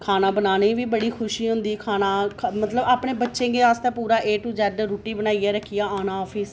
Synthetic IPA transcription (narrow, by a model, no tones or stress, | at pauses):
kʰaːnaːbənaːnẽːʋiːbəɽiːkʰʊʃiːɦʊ̃nd̪iːkʰaːnaːkʰmət̪ləbaːpɳeːbətːʃẽːɡeaːst̪ɛːpuːɾaːʔeːʈuːd͡ʒɛɖɾoːʈiːbənaːiɛːɾəkʰːɪjaːaːnaːɔːpʰɪːs